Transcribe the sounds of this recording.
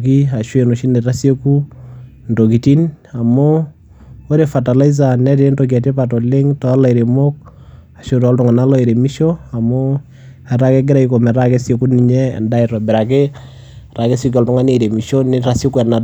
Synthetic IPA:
ki˦a˨ʃwe˨no˨ʃi˦ne˨ɾa˦se˦ku˦ | nto˨k̬i˨ti˦na˨mo˦ | o˦ɾefa˨ta˨la˦iz̬a˨nɛ˦te˨˦nto˨k̬a˨t̬e˦patɔ˨le˦ŋtɔ˨a˦la˨i˨ɾe˨mo˦k̚ | a˨ʃotɔ˦ltʊ˨ŋa˨na˦lɔ˦e˨ɾe˨mi˦ʃo˦a˨mo˦ | ɛ˨ɾa˦kɛ˦ɡɪ˦ɾa˦iko˨mɛ˨ɾake˦sje˨ku˦ni˨ɲɛ̰˦˨nda˦iɾɔ˨bɪ˨ɾa˨ke˦ | ra˨ke˦so˦kɔ˨ltʊ˦ŋa˦ne˦˨ɾe˨mi˨ʃo˦nɪ˦ɾa˦sjo˦kuɛ˨na˨

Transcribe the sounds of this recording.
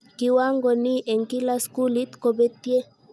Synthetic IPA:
ki˨wa˦ŋɡo˨ni˦ʔe˨ŋki˦la˦sku˦li˦t̪ko˨be˦t̪i˦e˦

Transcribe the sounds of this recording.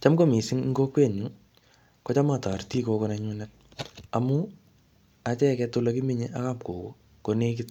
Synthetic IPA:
t͡ʃa˦mko˦mi˨sɪ˦ŋŋɡo˦kwe˦˨ɲu˨ | ko˦t͡ʃa˦ma˨ta˨rti˦ko˧konaɲu˦nɛn | amu˦ | a˦t͡ʃɛ˦kɛtola˦ki˦mi˦ɲeʔa˦ka˦˨mko˨ko̰˦ | ko˨ne˦k̬ɪ˦t

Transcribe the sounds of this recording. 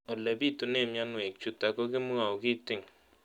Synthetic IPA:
ɔ˨lɛ˨bi˦tu˨ne˦˨mja˦nwɛ˨k̚t͡ʃu˨ta˨kɔ˦kɪ˦m˦a˨kɪ˦tɪ˦˨ŋ

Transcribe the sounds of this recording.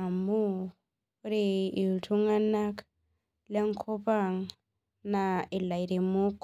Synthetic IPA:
a˨mbu˦ | ɾi˨i˨tʰu˦ŋa˦na˦k | la˦ŋ˦kʰɔ˦pa˦˨ŋ | na˨i˨la˨i˨ɾi˨mu˦kː

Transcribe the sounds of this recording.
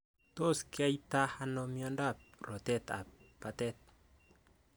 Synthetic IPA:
to˦˨ska˦i˦ta˦ha˦nɔ˨mjɔ˦nda˦˨ɾɔ˨t̪ɛ˦t̪a̰˨pa˨t̪ɛ˦t̪̚

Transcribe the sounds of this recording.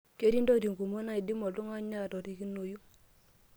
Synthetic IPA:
ke˦ɾi˦ndo˦ɾi˨ŋɡu˨mo˦na˦˨i˨di˦mɔ˨tu˦ŋa˦ɲa˦˨tɔ˨ɾi˦ki˦no˨ju˦

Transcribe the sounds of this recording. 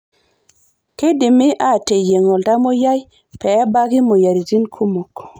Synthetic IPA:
ke˦dɪ˨mɪ˦ʔa˦˨te˨je˨ŋɔ˨lda˦mo˦ja˦j | pɛ˨˦ba˦ɡɪ˦mo˨ja˨ɾi˨zi˦nkʰu˦mo˨k

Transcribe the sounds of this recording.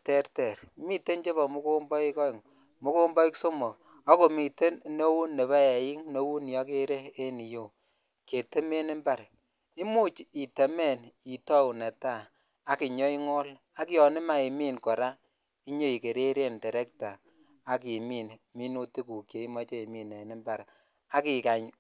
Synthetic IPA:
tɛ˦ɾte˨ɾmi˦te˦nt͡ʃe˦βɔ˨mu˦ko˦mbɔ˦i˦kɔ˦i˨ŋ | mu˦ko˦mbɔ˦i˦kso˦mo˨ | a˦ko˨mi˨te˦nno˦wu˦nːe˨βa˦˨ji˦ŋno˦wu˦njɔ˦ke˦ɾeː˦ni˨jo˨ | ke˨te˦me˦nɪ˦mba˦˨ɾ | i˦mu˦t͡ʃi˨te˨me˦˨ni˨tɔ˦u˨ne˨ta˦˨ | a˦ki˨ɲɔ˦i˦ŋɔ˦l | a˦ki˦jɔ˨nɪ˦ma˦e˨miː˦˨nkɔ˨ɾa˦ | i˦ɲo˦i˨ke˨ɾe˦ɾe˦nde˨ɾe˦k̚taː˨˦ | ki˨mi˦˨n | mi˦no˦ti˦ku˨kje˨i˦mɔ˦t͡ʃe˦i˨mi˨ne˨ni˦mba˨ɾ | a˦ki˨ka˨ɲ

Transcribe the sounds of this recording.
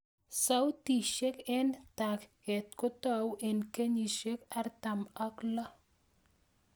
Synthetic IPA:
sa˦wti˨ʃe˦kɛ˦nta˨kɣɛ˨t̚ko˦ta˦˨wʔe˨nke˦ɲi˨ʃe˦ka˦ɾta˨ma˦kla˦

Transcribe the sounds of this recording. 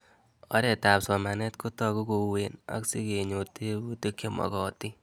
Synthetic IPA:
ɔ˦ɾɛ˨ta˨psɔ˨ma˨nɛ˦tkʊ˦tɔ˦ku˦ko˧wena̰˦ksi˦ke˨ɲo˨te˦u˦te˦kje˦mɔ̰˨kɔ˨ti˦

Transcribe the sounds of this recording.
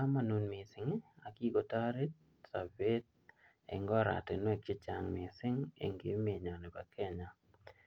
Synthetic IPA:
ka˦ma˨nu˦nmɪ˨sɪ˨ŋ˦a˨ki˦ɡo˨ta˦ɾi˦t̚ | sa˨be˦t̚ | ɛ̰˨ŋɡɔ˦ɾa̰˨te˨n˦e˦˨kɪ˦t͡ʃa˨ŋmɪ˨sɪ˦ŋḛ˨ŋɡe˨˦me˨ɲa˨nɪ˨pa˨kʰɛ˦ɲa˨

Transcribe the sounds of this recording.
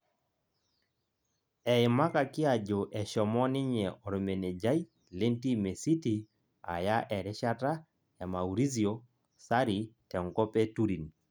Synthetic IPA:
ɛ˨ɪ˨ma˦ka˨kɪ˦a˨d͡ʒo˨ʔɛ˨ʃɔ˨mɔ˦nɪ˦ɲɛ˨ɔ˨ɾme˨ne˨d͡ʒa˦i˦ | le˦nti˦me˨si˦ti˨ | a̰˨ja˦ʔɛ˨ɾɛ˦ʃa˦ta˦ | ja˨ma˨u˨ɾi˦zi˨o˦ | sa˦ɾi˨tɛ˨ŋkɔ˦pe˦tu˦ɾi˨n

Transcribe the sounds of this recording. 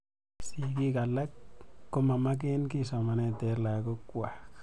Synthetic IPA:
si˧ɡi˦ɡa˨la˦kːo˦ma˨ma˦k̬e˦nki˦sa˨ma˨ne˧t̪e˨˧ɾla˨ɡo˦kwa˨k

